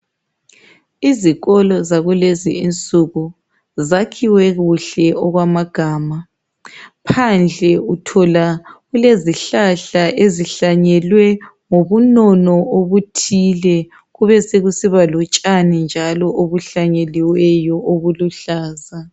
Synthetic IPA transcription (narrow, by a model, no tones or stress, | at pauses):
iziɣɔlɔzaɣuleziint͡sʼuɣu | zakʰiwɛɣuɬɛʔɔɣwamaɡ̥ʱaːma | pʰand͡ɮʱɛutʰɔlaɣuleziɬaɬaʔeziɬaɲɛlwɛ | ŋoβunɔnɔoβutʰilɛ | ɣuβɛseɣusiβalɔt͡ʃʼanind͡ʒʱalɔʔoβuɬaɲeliwɛjɔoβuluɬaːza